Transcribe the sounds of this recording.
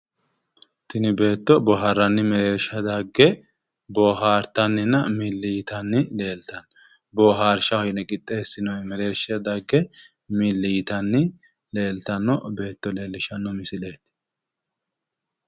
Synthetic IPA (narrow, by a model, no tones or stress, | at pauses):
t̪ɪnɪbe̞ːt̪ːɔbɔɦɐɾːɐnːɪmɛɾeːɾʃɐd̪aɡːɛ | bɔːɦaːɾt̪ːɐnːɪnɐmilːɪjɪt̪ɐnːɪle̞ːlt̪ɐn | bɔɦaːɾʃɐhɔjnɛkʼɪt̪ʼːe̞ːsːɪnɔmɛɾeːɾʃɐd̪aɡːɛ | milːɪjɪt̪ɐnːɪ | le̞ːlt̪ɐnːɔbe̞ːt̪ːɔle̞ːlːɪʃɐnːɔmɪsɪle̞ːt̪